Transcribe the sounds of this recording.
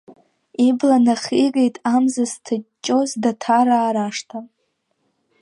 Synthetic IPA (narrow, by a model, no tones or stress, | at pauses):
iblanaχʲikʼejtʼamzastʰat͡ʃʼːo̞zdatʰaɾaːɾaʂtʰa